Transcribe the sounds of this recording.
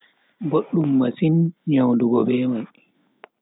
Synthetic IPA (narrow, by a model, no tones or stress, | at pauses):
boɗːumːasinɲawnduɡɔɓɛːmaj